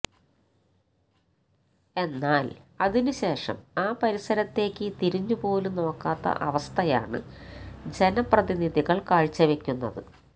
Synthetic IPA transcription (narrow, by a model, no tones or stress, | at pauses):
e̞nːaːlɐðinuɕe̞ːʂɐ̰maːpɐɾisɐɾɐt̪ːe̞ːkʲːɨt̪iɾiɲːupo̞ːluno̞ːkːaːt̪ːɐ̰ʔɐʋɐst̪ʰɐja̰ːɳɨ̰ | d͡ʑe̞nɐprɐðiniðiɣɐɭkaːɻt͡ɕːɐʋe̞kʲːunːɐ̰ðɨ̰